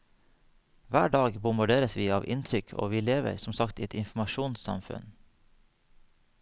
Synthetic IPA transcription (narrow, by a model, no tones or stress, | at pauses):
ʋæːɖɑːɡbʊmbɑɖeːɾəsʋiːɑːʋʔɪnt̪ʰɾʏkʰo̰ːʋiːleːʋə̰ɾsɔm̩sɑkt̪iːɛt̪ɪnfm̩ɑʃuːnsɑ̰mfʉ̰n